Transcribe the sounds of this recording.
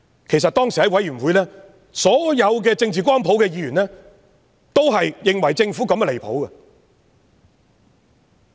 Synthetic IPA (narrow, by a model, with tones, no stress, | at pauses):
kʰe˨˩jsɐ˨t̚t̪ɔː˥ŋsi˨hɐ˨˥jwɐ˨˥jɥy˨˩nwuː˨˧jlɛː˥ | sɔː˨˥jɐ˨˧wk̬ɛː˧t͡sɪ˧ŋt͡siː˨k̬ʷaː˥npʰo˨˥wkɛː˧jiː˨˥ɥyː˨˩nlɛː˥ | t̪o˥wɦɐ˨jːɪ˨ŋwɐ˨˩jt͡sɪ˧ŋfu˨˥kɐ˨˧mɛ˧le˨˩jpʰo̰˨˥wɐ˧